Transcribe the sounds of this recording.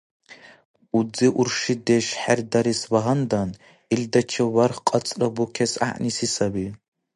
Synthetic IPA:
ud͡zɨʔurʂideʃħardaɾiswaʁandan | ildat͡ʃʰɐwarχqʼat͡sʼrɐbukʲʰesa̰ʔnisisabi

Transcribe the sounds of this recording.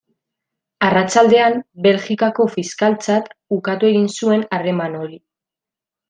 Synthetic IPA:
arat͡ʃald̪e̞ambe̞lxikako̞fiskalt͡sat̪ukat̪ue̞ɣinsue̞nare̞mano̞ɾi

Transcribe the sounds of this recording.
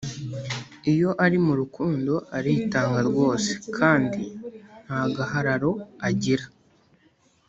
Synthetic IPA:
ijo̞ʔaɾimuɾukuːndo̞ʔaɾitaːŋɡaɾɡwo̞ːse̥kʰaːndin̥haɡaɦaɾaɾo̞aɟiɾḁ

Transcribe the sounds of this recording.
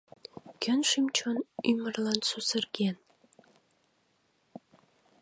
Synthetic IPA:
kʲønʃimt͡ɕonymərlɑnsusərɣen

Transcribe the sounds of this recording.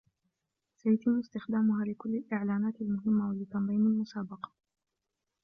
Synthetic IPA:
sajat̪ɪmːʊst̪ɪxd̪aːmʊɦaːlɪkʊlːɪlʔɪʕlaːnaːt̪almʊɦɪmːawalɪt̪ːɑmbiːnalmʊsaːbɑqɑ̥

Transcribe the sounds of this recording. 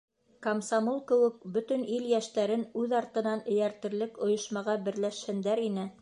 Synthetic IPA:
kɐmsɑmolˠkɘ̆wɘk̚bɵt̪ɘ̆niljæʃt̪æɾɘnʉðɑɾt̪ɤ̆nɑnɘ̆jæɾt̪ɘ̆ɾlɘkŏjŏʃmɑʁɑbɘ̆ɾlæʃhɘ̆nd̪æɾinɘ

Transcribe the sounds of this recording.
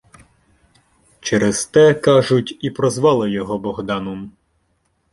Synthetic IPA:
t͡ʃɛɾez̥t̪ɛkɑʒʊtʲipɾɔzʋɑlˠɪjɔɦɔbɔɦd̪ɑnɔm

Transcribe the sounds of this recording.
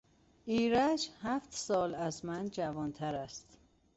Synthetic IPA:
ʔiːɾæd͡ʒhæft̪sɒːlæzmænd͡ʒævɒnt̪ʰæɾæst̪

